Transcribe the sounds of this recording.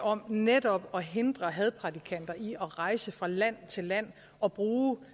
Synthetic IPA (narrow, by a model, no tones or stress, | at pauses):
ɒ̽mned̥ɒ̽b̥ɒ̽ɦe̝nd̥ʁɐɦɛð̞ˠpʰʁɑ̈t͡sʰikʰæn̰d̥ɐʔiʔɒ̽ʁɑ̈ɪsəfʁɑ̈læn̰t͡sʰe̝lːæn̰ | ɒ̽b̥ʁuː